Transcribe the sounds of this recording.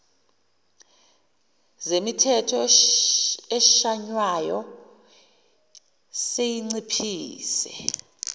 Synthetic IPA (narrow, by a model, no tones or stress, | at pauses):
zemitʰɛtʰɔ | ɛʃaɲwajɔ | sejiŋ͡ǀipʰiːsɛ̰